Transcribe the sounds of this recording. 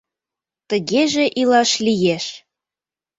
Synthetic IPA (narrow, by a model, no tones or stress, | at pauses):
t̪əɣeʒeʔilɑʃlijeʃ